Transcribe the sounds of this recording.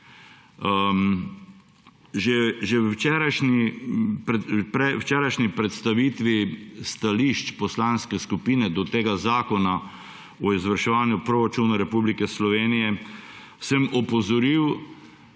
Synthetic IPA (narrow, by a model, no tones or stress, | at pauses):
ʒɛʒɛt͡ʃɛːɾajʃnipɾɛpɾɛwt͡ʃɛːɾajʃnipɾɛt̪st̪aʋiːt̪ʋist̪aliʃt͡ʃpɔslaːnskɛskupiːnɛd̪ɔt̪eːɡazaːkɔna | ɔizʋəɾʃɛʋaːnjupɾoɾat͡ʃunaɾɛpublikɛslɔʋeːnijɛ | sɛmɔpɔzɔɾiw